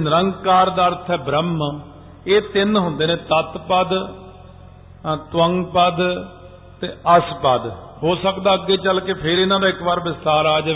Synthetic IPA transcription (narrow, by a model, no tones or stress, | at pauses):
nəɾəŋɡkaːɾd̪aːəɾt̪ʰɛːbɾəm | eːt̪ɪnɦʊ̃nd̪eːnẽːt̪ət̪pəd̪ | t̪ʋəŋɡpəd̪ | t̪eːəspəd̪ | hoːsəkd̪aːəɡːeːt͡ʃəlkeːpʰɪɾɪnãːd̪aːɪkbaːɾʋɪst̪aːɾaːd͡ʒ